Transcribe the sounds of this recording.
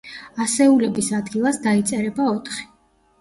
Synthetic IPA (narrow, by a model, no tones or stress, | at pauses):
asɛulɛbisad̪ɡilˠasd̪ait̪sʼɛɾɛbaɔt̪ʰχi̥